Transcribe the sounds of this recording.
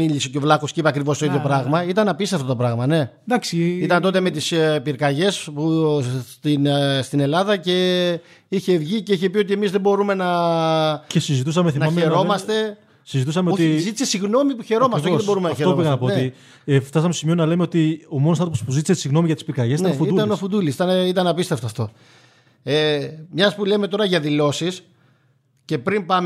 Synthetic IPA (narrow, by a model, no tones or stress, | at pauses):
iʎisoceo̞vlɐkoscipɐkɾivost̪oiðʝopɾɐɣmɐit̪ɐnɐpiseɐft̪o̞t̪opɾɐɣmɐne̞ | d̪ɐksiit̪ɐnt̪o̞t̪e̞me̞t̪ispiɾkɐʝe̞sput̪inst̪ine̞lɐðɐce̞ | içe̞vʝice̞içe̞piot̪ie̞mizðe̞bo̞ɾume̞nɐ | cesizit̪usɐmeθimnɐɐmeɾo̞mɐst̪e̞ | sizit̪usɐmeot̪iizit̪isesiɣno̞mipuçe̞ɾo̞mɐsteoðbo̞ɾumenɐeɾoopiɣɐnɐpooei | ft̪ɐsɐmeosimionɐlemeo̞t̪io̞monosnɐt̪opospuzit̪isesiɣno̞miʝɐt̪i̥spiɾkɐʝesint̪ɐɐofuiulɐnnofud̪ulisit̪ɐneit̪ɐnɐpist̪e̞ft̪ɐft̪o̞ | emɲɐspulemet̪o̞ɾɐʝɐðilo̞sis | ce̞pɾimbɐm